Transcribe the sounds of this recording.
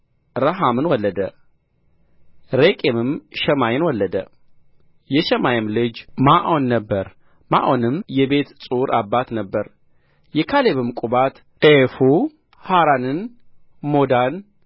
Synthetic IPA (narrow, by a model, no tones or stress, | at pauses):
ɾəɦamɨnwɔlːəd̪ə̰ | ɾekʼemɨmʃɛmajɪnwɔlːəd̪ə̰ | jɛʃɛmajɪmlɨd͡ʒmaʔonːəbːəɾ | ma̰ʔonɨmjɛbe̞t̪sʼuɾʔabːat̪nəbːəɾ | jɛkʰaleβɨmkʼubat̪ | ʔefu | haɾanɨn | mo̞d̪an